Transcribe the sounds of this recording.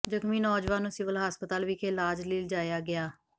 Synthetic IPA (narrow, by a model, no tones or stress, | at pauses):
d͡ʒəkmiːnɔːd͡ʒʋaːnuːsɪʋəlɦəspət̪aːlʋiːkʰeːlaːd͡ʒlɪːld͡ʒaːjaːɡɪaː